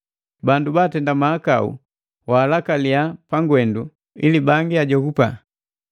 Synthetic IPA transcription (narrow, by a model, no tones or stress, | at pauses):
bandubaːtɛndamaaka̰ṵ | waːlakaliapaŋɡwɛndu | ilibaŋɡiaɟɔkupa